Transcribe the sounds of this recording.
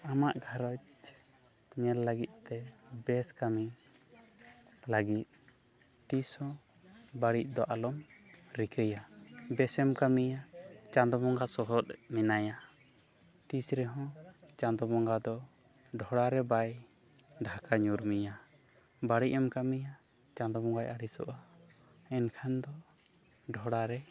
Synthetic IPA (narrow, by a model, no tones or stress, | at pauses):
amaʔɡʱaɾɔt͡ʃ | ɲɛlːəɡit̪̚ˀt̪ɛbɛskami | laɡit̪̚ | t̪ishɔ̃ | baɽiʔ̚ˀd̪ɔʔalɔmɾikʰəjabɛsɛmkamijat͡ʃãnd̪ɔmɔŋɡasɔɦɔt̪̚minaja | t̪isɾɛɦɔ̃t͡ʃãnd̪ɔmɔŋɡad̪ɔ | ɖʱɔɽaɾɛbaj | ɖʱakaɲuɾmija | baɽiʔ̚ɛmkamija | t͡ʃãnd̪ɔmɔŋɡajʔaɽisɔ̰ʔa | ɛnkʰand̪ɔ | ɖʱɔɽaɾɛ